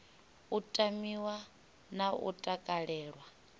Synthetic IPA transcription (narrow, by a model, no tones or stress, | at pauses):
utʼamiwa | naʔṵtʼakʼaɺɛːɺwa